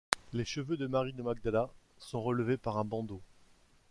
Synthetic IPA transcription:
leʃəvød̪əmaʁid̪əmaɡ̚d̪ala | sɔ̃ʁələvepaʁɛ̃bɑ̃d̪o

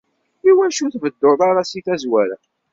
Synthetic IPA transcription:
iwæʃuθvəd̪ːoðˤɑɾɑsiθæzwæɾæ

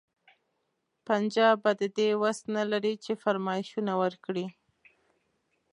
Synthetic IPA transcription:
pand͡ʒɑbad̪əd̪ewast̪nalaɾit͡ʃefaɾmɑɪʃunawəɾkɽi

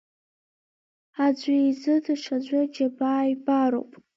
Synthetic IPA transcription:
ad͡ʒʷijzɨdaʂʰad͡ʑʷad͡ʒabaːjbaɾo̰wpʼ

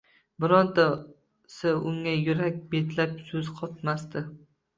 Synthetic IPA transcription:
bɪɾɒnd̪a | sɪʊŋːajʊɾakʲbet̪lapsɵzqʰɒt̪mast̪ɪ

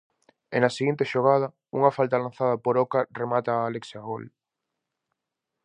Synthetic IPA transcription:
enaseɣint̪eʃoɣ̞að̞ɐ | ṵŋafalt̪alan̟θað̞apoɾokaremat̪aːleksjaɣol

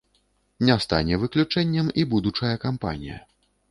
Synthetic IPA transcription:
nʲast̪a̰nʲɛvɨklʲut͡ʂɛnʲːɛmibud̪ut͡ʂɐjɐkampa̰nʲḭjɐ̰

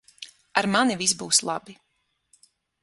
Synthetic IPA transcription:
aɾmanivisbuːslˠa̰bi

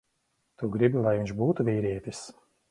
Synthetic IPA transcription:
t̪uɡɾibilˠajviɲnʲt͡ʃbuːt̪uvʲiːɾiɛt̪ʲis

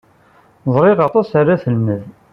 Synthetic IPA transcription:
zˤɾˤɪʁɑt̪ˤɑsarːaθəlməð

